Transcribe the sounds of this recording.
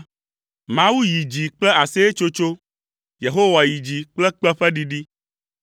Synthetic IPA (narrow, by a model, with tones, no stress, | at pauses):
mã˦wu˦ji˨d͡ʒi˨k͡plɛ˦a˨se˦e˦t͡ʃo˦t͡ʃo˦ | je˨ɦo˦wa˨ji˨d͡ʑi˨k͡plɛ˦k͡pɛ˦ɸɛ˦ɖi˦ɖi˦